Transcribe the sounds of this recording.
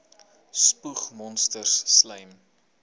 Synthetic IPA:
spuχmɔnstərsːləjm

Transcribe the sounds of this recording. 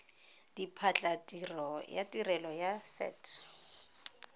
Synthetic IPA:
d̥ipʰat͡ɬʼatʼirɔja̰tʼirɛlɔjasɛ̰ːtʰ

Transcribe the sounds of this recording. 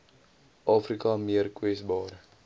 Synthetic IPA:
ʔɑːfrikɐmiərkwɛsbɑːɾə

